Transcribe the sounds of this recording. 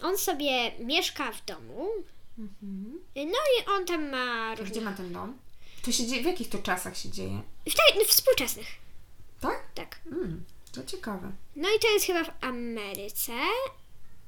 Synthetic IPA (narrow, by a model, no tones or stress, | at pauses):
ʔɔnsɔbʲjɛmʲjɛʂkavd̪ɔmum̩h̩nɔiʔɔnt̪amːaɾuɡ̪d͡ʑɛmat̪ɛnd̪ɔmt̪ɔɕɛd͡ʑevʲjakʲixt̪ɔt͡ʂasaxɕɛd͡ʑejɛ̰ft̪anfspuwt͡ʂɛsnɘxt̪ak̚t̪akm̩t̪ɔt͡ɕɛkavɛ̰nɔit̪ɔjɛst̪xɘbavammɛɾɘt̪sɛ